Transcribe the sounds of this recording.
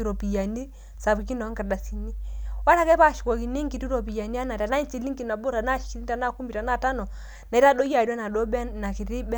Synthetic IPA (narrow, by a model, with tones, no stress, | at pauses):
i˨ɾɔ˨pi˨ja˨ni˦ | sa˨bi˨ki˦nɔ˨˦ŋka˨da˨si˨ni˦wa˦ɾa˦kɛ˦pa˦˨ʃi˨kɔ˨ki˨ne˦ŋɡi˨˦tu˦ɾo˨pi˨ja˨ni˦a˦na˨ta˨na˦i˦nt͡ʃi˨li˦ŋki˨na˨bo˦ɾa˨na˦ʃi˦i˦ta˨na˦˨ku˦mi˨ta˨na˦˨ta˦nɔ˨ | na˨i˦ta˦dɔ˦ja˨da˦na˨dɔ˦bɛ˦na˨ki˨ɾi˦bɛ˦